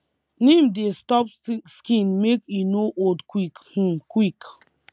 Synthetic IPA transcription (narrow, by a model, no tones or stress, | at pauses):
nĩmdestɔpskĩnmekjunoʔodkwikh̩kwik